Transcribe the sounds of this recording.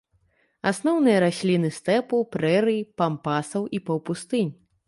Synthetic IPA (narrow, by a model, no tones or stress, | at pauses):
asn̪ɔwnɨjɐɾasʲlʲinɨst̪ɛpupɾɛɾɨjipampasɐwʔipɐwpust̪ɨnʲ